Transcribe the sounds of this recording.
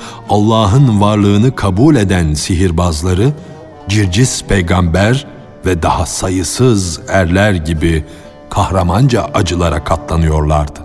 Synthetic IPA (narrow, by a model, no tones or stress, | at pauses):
alˠːaːɦɯnvaɾlˠɯːnɯkʰabuːlʲe̞d̪ænsiɦiɾbazlˠaɾɯ | d͡ʒiɾd͡ʒizpʰejɡambæɾ | vɛd̪ahasajɯsɯzæɾlʲæɾɟibi | kʰahɾamand͡ʒaʔad͡ʒɯlˠaɾakʰat̪ʰlˠanɯjo̞ɾlˠaɾd̪̥ɯ